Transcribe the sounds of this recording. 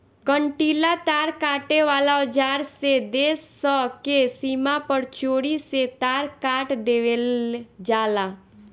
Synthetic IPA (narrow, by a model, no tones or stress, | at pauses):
kəɳʈiːlat̪aːɾkaːʈeʋaːlaʊd͡ʒaːɾsed̪eːsɔkesiːmapəɾt͡ʃoːɽiset̪aːɾkaːʈd̪eːʋeld͡ʒaːlaː